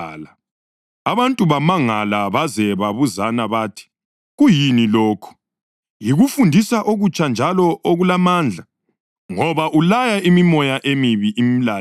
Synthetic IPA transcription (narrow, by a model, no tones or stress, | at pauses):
la | aβantʼuβamaŋalaβazɛβaβuzanaβaːtʰi̥ | ɣujinilɔːkʰu̥ | jiɣufundʱisaʔoɣut͡ʃʰʼand͡ʒʱalɔʔoɣulamaːnd͡ɮʱa | ŋɔβaʔulajaimimɔjaʔemiβiʔimilaː